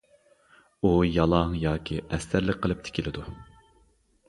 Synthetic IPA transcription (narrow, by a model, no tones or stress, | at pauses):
ujɑlˠɑŋjɑːkʲʰiʔɛst̪æɾlɪk̚ʲqʰːəlˠɨp̚t̪ʰe̥kʲʰilɪd̪u